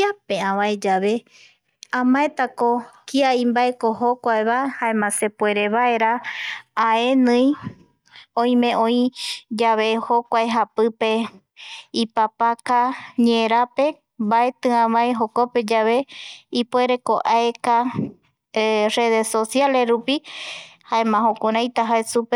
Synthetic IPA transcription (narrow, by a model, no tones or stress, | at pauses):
apeãβãed͡ʒaβe | ãmãet̪akokiaĩmbaekoɦokʷaeβahaẽmãse̞pwe̞ɾeβaeɾaː | e̞nɨ̃j | õĩmẽ̞õĩd͡ʒaβehokʷaeɦapɨpe̞ | ipapakaɲeɾape̞ | mbae̞t̪ɨ̃ãβãeɦo̞kope̞d͡ʒaβe̞ipwe̞ɾekoʔaeka | re̞ðesosjale̞ɾupihaẽmãɦõkʷuɾ̃ãj̃t̪aɦaesupe